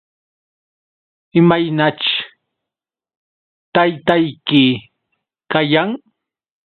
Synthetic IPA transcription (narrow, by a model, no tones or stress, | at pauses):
ɪmajnat͡ʃ | t̪ajt̪ajkɪ | kajaŋ